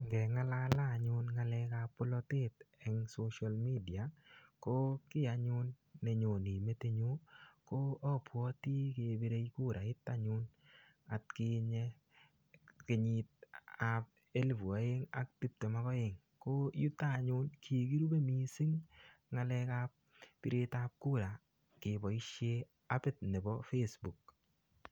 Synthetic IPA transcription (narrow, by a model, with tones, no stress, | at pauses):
ŋɡɛ˨ŋa˦la˦la˦˨ɲʊ˦nŋa˧lɛ˧ka˧pʊ˦lɔ˦tɪ˦t̪ɛ˨ŋso˦ʃa˨lmi˦di˨a˨ko˦kɪ˦a˨ɲʊ˦nː | e˨ɲo˨ni˨me˦te˦ɲo˦ko˦ɔ˦pwɔ˦te˦ke˨be˦ɾe˦i˦ku˦˨ɾa˨ɪ˦t̪ːa˦ɲʊ˦n | a˨t̚kɪ˦ɲɛ˦ | kɪ˦ɲɪ˦t̚a˨p̚ | e˦lvu˨a˨˦e˦ŋa̰˦k̚ti˦p̚te˨ma˦kɔ˦je˨ŋ | ko˦ju˦ta˦˨˦ɲʊ˦nkʰi˨ki˦ɾu˦be˦mi˨si˦ŋŋa˨lɛ˧ka˦p̚ | pɪ˨ɾe˧tap̚ku˦ɾa˨ | kɪ˨bɔ˨i˦ʃje˦ | a˦pɪ˦t̚ne˨bɔ˦fe˦sbu˨k̚